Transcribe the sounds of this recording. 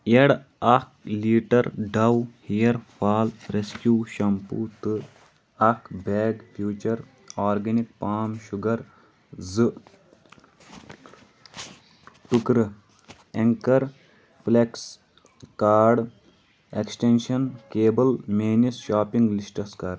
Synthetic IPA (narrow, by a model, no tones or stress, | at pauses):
eɽɐk̚liːʈɐɾɖɐwhijɐɾpʰaːlɾeskjuːʃɐmpṵːt̪ɨ | ɐkʰbʱeːɡfʰjuːt͡ʃɐɾ | aːɾɡɐnik̚paːmʃuɡɐɾ | zɨ | ʈukɾɨ | eŋkɐɾ | pleks | kaːɾɖ | eksʈenʃɐnkeːbɐlmeːnisʃaːpiŋɡlisʈɐskɐɾ